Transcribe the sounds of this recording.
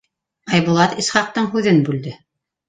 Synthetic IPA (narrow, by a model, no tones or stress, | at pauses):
ɑjβŭlˠɑt̪isχɑq̚t̪ɤɴɦʉðɘnbʉld̪ɘ